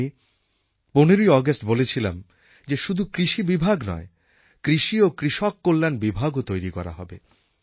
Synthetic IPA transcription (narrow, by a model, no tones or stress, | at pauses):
i | poneɾojɔɡasʈbolet͡ɕʰila̰m | d͡ʑeʃud̪ʱukɾiʃibibʱaɡnɔ̰e | kɾiʃiokɾiʃɔkːolːanbibʱaɡot̪ojɾikɔɾa̰ɦɔ̰be